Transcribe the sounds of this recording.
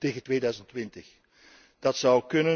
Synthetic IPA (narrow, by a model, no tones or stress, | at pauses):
teːɣəntʋeːdœɥzəntʋɪntəx | d̥ɑtsʌwkɵnə